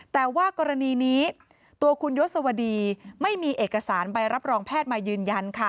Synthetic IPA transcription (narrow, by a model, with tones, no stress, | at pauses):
t̪ɛː˨˩waː˥˩kɔː˧ɾa˧niː˧niː˦˥ | t̪u˧ɐkʰu˧njo˦˥sa˧wa˧diː˧ma˥˩jmiː˧ʔeː˨˩kːa˧saː˩˦nba˧jɾa˦˥p̚ɾɔː˧ŋpʰɛː˥˩t̪̚maː˧jɯː˧nja˧nkʰa˥˩